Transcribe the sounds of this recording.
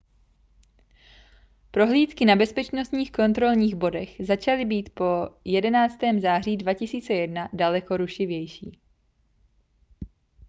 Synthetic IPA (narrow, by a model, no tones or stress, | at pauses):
pɾo̞ɦliːt̪kɪnabɛspɛt͡ʃnost̪ɲiːxko̞nt̪ɾo̞lɲiːɣbo̞dɛxzat͡ʃalɪbiːt̪po̞jɛdɛnaːt͡st̪ɛːmzaːr̝iːdvacɪsiːt͡sɛjɛdnadalɛko̞ɾuʃɪvjɛjʃiː